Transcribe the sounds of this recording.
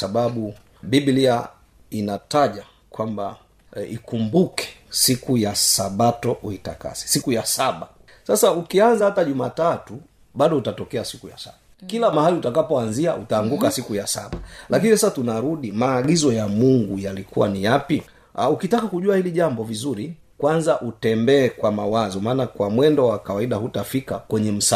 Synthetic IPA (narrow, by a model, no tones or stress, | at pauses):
saɓaɓu | bibilia | inataʄa | kwamba̰ | ḭkumbukɛ̥sikujasaɓatɔʔuita̰ka̰sɛ̥sikujasaɓa | sasaukianzahataʄumatatu | ɓaɗɔutatɔkɛasikuja̰sa̰ɓa | kilamahaliutakapɔanziaʔutaːŋɡukasikujasa̰ɓalakinisasatunaɾuɗimaːɡizɔjamuŋɡujalikuwanijapi | aukitakakuʄuahiliʄambɔvizuɾi | kwanzaʔutɛmbɛːkwamawazɔmaːnakwamwɛndɔwakawaiɗahutafikakwɛɲɛm̩sa